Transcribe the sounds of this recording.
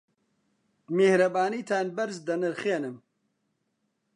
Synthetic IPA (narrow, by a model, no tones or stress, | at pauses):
mehɾɐbaːniːt̪ʰaːnbɐɾzd̪ɐnɨɾxeːnɨm